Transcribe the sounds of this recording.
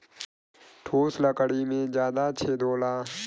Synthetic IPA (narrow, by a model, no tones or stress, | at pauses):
ʈʰoːsləkəɽimẽd͡ʒjaːd̪at͡ʃʰeːd̪oːlaː